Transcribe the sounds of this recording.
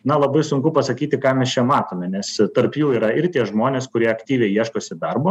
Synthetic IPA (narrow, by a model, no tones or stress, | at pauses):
nɐlˠɐbɐɪsʊŋkʊpɐsɐkʲiːt̪ʲɪkɑːmʲɛst͡ʃʲɛmɑːt̪oːmʲɛnʲɛst̪ɐrpjuːiːɾɐɪɾt̪ʲiɛʒmoːnʲeːskʊɾʲiɛɐkt̪ʲiːʋʲɛɪiɛʃkoːsʲɪd̪ɐrboː